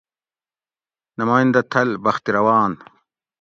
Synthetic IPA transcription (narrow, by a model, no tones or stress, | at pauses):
nɐmaːjind̪ɐt̪ʰɐlbɐxt̪iɾɐwaːn